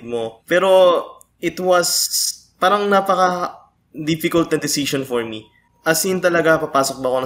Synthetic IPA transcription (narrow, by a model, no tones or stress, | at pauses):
d̪̚mopɛːɾo̞ | ɪt̪wɐs | paːɾɐŋnaːpɐkɐ | d̪ifɪkɐlt̪̚nɐd̪ɪsiʃonfoɹmi | ʔɐsɪnt̪ɐlɐɡapɐpaːsok̚bɐko̞n